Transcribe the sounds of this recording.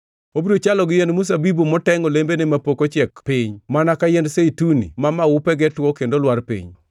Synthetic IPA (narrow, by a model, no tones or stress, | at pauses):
obiɾot͡ʃalɔɡɪjendmus̬abibumɔtɛŋolembenemapokot͡ʃɛkpɪɲmanakajɛndseitunḭmamaupɛɡɛtwɔkendolwaɾpḭɲ